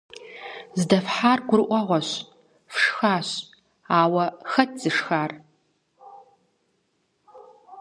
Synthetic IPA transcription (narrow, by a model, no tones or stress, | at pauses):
zdɐfħaːrɡʷʊrʔʷɔʁʷɔɕ | fʂxaːɕ | aːwɐxɐtʰz̥ɨʂxaːr